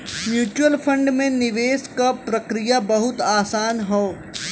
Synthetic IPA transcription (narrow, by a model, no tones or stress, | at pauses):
mjuːt͡ʃuwəlpʰɐ̃ɳɖmẽnɪʋeːskapɾɐkɾijabɐɦʊt̪aːsaːnɦoː